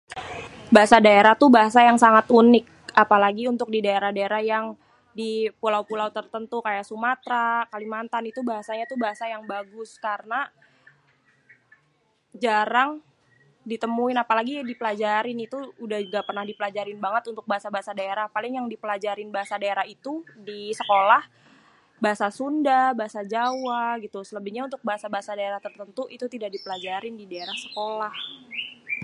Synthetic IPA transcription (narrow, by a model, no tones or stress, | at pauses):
baɦasadaeɾat̪ubaɦasajaŋsaŋat̪unɪk̚ | apalaɡiunt̪ʊk̚didaeɾahdaeɾahjaŋ | dipulawpulawt̪ərt̪ənt̪ukajasumat̪ɾakalimant̪anit̪ubaɦasaɲat̪ubaɦasajaŋbaɡʊskarəna | d͡ʒaɾaŋ | dit̪əmuɪnapalaɡidipəlad͡ʒaɾɪnit̪uːdahd͡ʒuɡapərnahdipəlad͡ʒaɾɪnbaŋət̪unt̪ʊk̚baɦasabaasadaeɾahpalɪŋjaŋdipəlad͡ʒaɾɪnbaɦasadaeɾahit̪udisəkolah | baɦasasundabaɦasad͡ʒawaɡit̪usələbihɲaunt̪ʊk̚baɦasabaɦasadaeɾaht̪ərt̪ənt̪uʔit̪ut̪idaʔdipəlad͡ʒaɾɪndidaeɾahsə̥kolah